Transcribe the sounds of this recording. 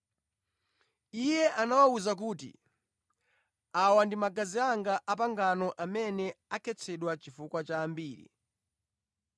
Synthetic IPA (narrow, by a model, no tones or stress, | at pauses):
ijɛʔanawauzak̬uːtḭ | awandimaɡaziaŋɡaʔap̬aŋɡanɔʔamɛnɛakʰɛt͡sʰɛɗwat͡ʃifukwat͡ʃaːmbiːɾḭ